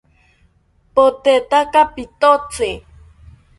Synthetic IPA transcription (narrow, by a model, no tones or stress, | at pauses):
pot̪et̪akapit̪ot͡se